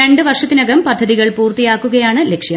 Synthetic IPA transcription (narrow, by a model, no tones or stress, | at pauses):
ɐɳɖɨʋɐrʂɐt̪ːinɐɡɐmpɐd̪ʱːɐðiɣɐɭpuːrt̪ijaːkːuɣɐjaːɳɨlekʂjɐ